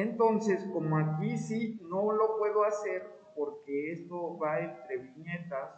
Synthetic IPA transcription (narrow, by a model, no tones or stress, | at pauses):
ent̪o̞nse̞sko̞moakisino̞lo̞pwe̞ðo̞ase̞ɾ | po̞ɾkeest̪o̞βaent̪ɾe̞βiɲet̪as